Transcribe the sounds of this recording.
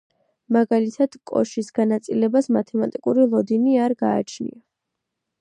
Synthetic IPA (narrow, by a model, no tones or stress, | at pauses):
maɡalit̪ʰad̪̥kʼɔ̰ʃisɡanat̪sʼilɛbasmat̪ʰɛmat̪ʼikʼuɾilˠɔd̪iniaɾɡaːt͡ʃʰnḭa